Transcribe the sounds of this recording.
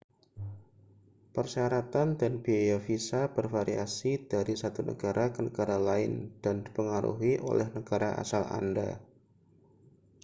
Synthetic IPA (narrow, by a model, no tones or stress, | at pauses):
pərsiaɾat̪andanbiejafisab̥ərfaɾiasid̥aɾisat̪unə̰ɡaɾʔakənəɡaɾalaɪnd̥andipəŋaɾṵɦiʔo̰lɛhnəɡaɾaʔa̰sala̰nda̰